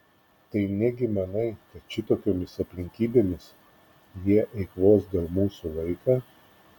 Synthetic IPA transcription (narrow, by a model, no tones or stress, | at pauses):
t̪ɐɪnʲɛɡʲɪmʲɛnɐɪkɐt̪̚t͡ʃʲɪt̪oːkʲoːmʲɪsɐpʲlʲɪŋʲkʲiːbʲeːmʲɪs | jiɛʔɛɪkʋoːsd̪ʲɐlˠmuːsulˠɐɪkɑː